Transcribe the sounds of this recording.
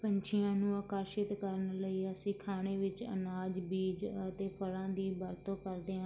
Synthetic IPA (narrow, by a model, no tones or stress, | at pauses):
pəɲt͡ʃʰɪjãːnũːaːkaːʃɪt̪kəɾənləiːəsĩːkʰaːɽ̃eːʋɪt͡ʃə̰naːd͡ʒbiːd͡ʒət̪eːpəɽãːd̪iːbəɾt̪õːkəɾd̪eːãː